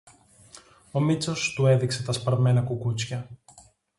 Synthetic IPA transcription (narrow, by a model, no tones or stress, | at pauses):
o̞mit͡so̞st̪ue̞ðikse̞t̪ɐspɐɾme̞nɐkukut͡sçɐ